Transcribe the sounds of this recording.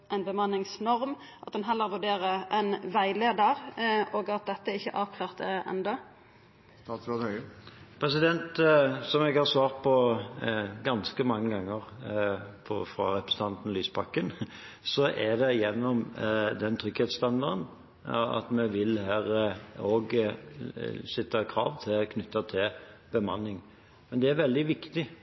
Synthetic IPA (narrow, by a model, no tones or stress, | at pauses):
ʔɛɪnbəmɑnːɪŋsnɔɾm | ʔɑt̪d̪ɛnɦɛlːəɾʋʉɖeːʁəɛnʋæɪleːd̪əɾoːɡɑt̪̚d̪ɛt̪ːəæɾɪçːəʔɑːʋkʰlɑːʁt̪ɛ̰nd̪ɔ | st̪ɑːt̪sʋɛthøəpʰɾɛsɪd̪ɛnt̪sɔmɛɡhɑsʋɑːʁt̪̚pʰɔ | ɡɑnskəmɑŋːəɡɑŋːəʁ | pʰɔ̰fɾɑ̰ɾɛpɾəsən̩t̪ʰɑnt̪n̩lyːsbɑkːən | sɔʔɛd̪ɛjɛnːɔmd̪ɛnt̪ʰʁʏɡ̥heːt̪st̪ɑnd̪ɑd̪ən | ɑ̰t̪mɛʋɪlhæːɾoːɡ | sɛt̪ːɑkʰɾɑ̰ːʋt̪ʰɪlkʰnʏt̪ːɑt̪ʰɪlb̥əmɑnːɪŋ | mɛnd̪ɛæɾʋɛld̪ɪʋɪkt̪ɪ